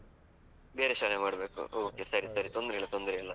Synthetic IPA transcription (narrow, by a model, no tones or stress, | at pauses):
beːɾeʃaːlemaːɽɐbe̞ːkṵoːkːesɐɾisɐɾit̪o̞nd̪ɐɾeilːɐt̪o̞nd̪ɐɾeilːɐ